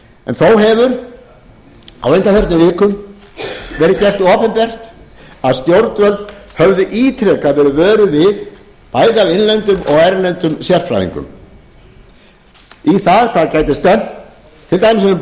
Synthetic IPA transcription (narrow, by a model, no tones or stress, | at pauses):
ɛ̰nθowɦɛvʏɾ | a̰wejnt̪aθœɾt̪nʏvɪːkʏm | vɛːɾɪðcɛr̥t̪ɔːpɛmpɛr̥t̪ | aðst̪jowɾt̪vœlt̪hœvðʏʔiːt̪ʰɾɛkavɪːɾʏvɛːɾʏvɪð | paːjðɪavɪnlɛnt̪ʏmɔɣajɾɪnlɛnt̪ʏmsjɛr̥fɾa̰ːḭŋkʏ̰m | iθaðkʰaðcaːjt̪ɪst̪ɛn | t̪ʰɪlt̪aːjmɪsɛm